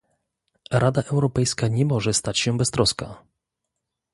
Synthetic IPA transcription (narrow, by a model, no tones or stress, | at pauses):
ɾʔad̪aʔɛwɾɔpɛjskaɲɛmɔʐɛst̪at͡ɕɕɛbɛst̪ɾɔska̰